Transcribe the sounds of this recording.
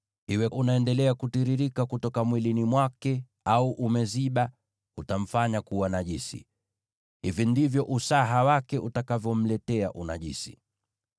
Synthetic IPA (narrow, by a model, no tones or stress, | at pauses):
hiwɛʔunaɛndɛlɛakutiɾiɾikakutɔkamwilinimwakɛ | auʔumɛziɓa | utam̩faɲakuwanaʄisḭ | hivindivjɔʔusaɦawakɛʔutakavjɔm̩lɛtɛa̰ʔuna̰ʄḭsi̥̰